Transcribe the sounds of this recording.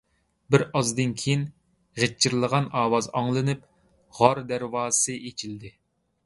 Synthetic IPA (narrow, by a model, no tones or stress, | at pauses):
bɪɾɑzd̪ɨnkʲʰejin | ʁet͡ʃʰːiɾlˠəʁɑnɑːwɑzɑŋlˠɨnɨp̚ | ʁɑɾd̪æɾwɑ̥ːsɨʔet͡ʃʰild̪ɪ